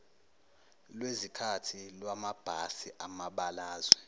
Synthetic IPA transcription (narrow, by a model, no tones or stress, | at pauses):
lwezikʰatʰilwamab̥ʱasiʔamaɓalaːzwɛ